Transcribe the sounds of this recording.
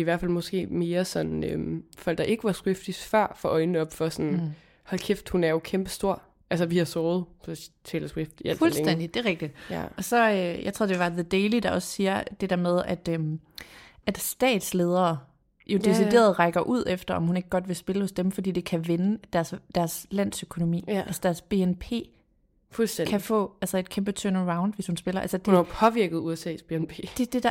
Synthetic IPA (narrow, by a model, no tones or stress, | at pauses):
iʋæɐ̰̥fælmɒ̽sɡ̥e̝̰ːme̝ːɐsɒ̽nøfɒ̽l̰ɡ̥̚ɑ̈ʔe̝ɡ̥əʋɑ̈sɡ̥ʁefd̥isfɶɐ̰fɒʔɒ̽ɪnəɒ̽b̥fɒ̽sɒn | hɒlkʰefd̥hunæɐjo̝kʰemb̥əsd̥o̝ɐ̰ | ʔælsəʋihɑ̈sɔːð̞̩ˠɒt͡sʰɛ̰ːləsɡ̥ʁifd̥iæl̰flsleŋden̰d̥id̥e̝ʁeɡ̥̚d̥id̥jæ̰ɒ̽sɒ̽øjɑ̈ɪt͡sʰʁo̝ð̰ˠde̝ʋɑ̈ðəd̥eɪlid̥ɑ̈ɒ̽ssiːɐd̥e̝d̥eɐmeð̞ˠæd̥øm | æd̥sd̥ɛ̰ːd̥sle̝ːð̞ˠɐː | jo̝d̥e̝side̝̰ːɐð̞̩ˠʁɑ̈ɡ̥ɐʔuð̞̰ˠefd̥ɐɒ̽mhune̝ɡ̥̚ɡ̥ɒ̽d̥ʋe̝sb̥e̝ləhɔ̽sd̥emfɒ̽d̥ḭːd̥e̝kʰæʋenəd̥æɐsd̥æɐslæn̰søkʰo̝no̝mḭːælsəd̥æɐsb̥e̝enpʰe̝̰ː | fulsd̥enkʰæfɔ̰̽ːælsɐe̝d̥̚kʰemb̥ət͡sʰønəʁɑ̈ʊnd̥ʋe̝shunsb̥e̝lɐʔælsəd̥unapʰɒ̽ʋiɐɡ̥ð̩ˠuesɛ̰ːsb̥e̝enpʰḛːd̥e̝d̥e̝d̥ɑ